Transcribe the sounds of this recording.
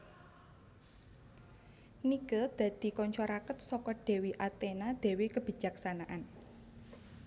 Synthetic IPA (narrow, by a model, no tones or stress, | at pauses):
nikəd̪̥ä̤d̪̥i̤kɔɲt͡ʃɔɾakət̪̚sɔkɔɖ̪̥ɛ̤wiʔat̪enad̪̥ɛ̤wikəb̥i̤d͡ʒ̥a̤ksanaʔan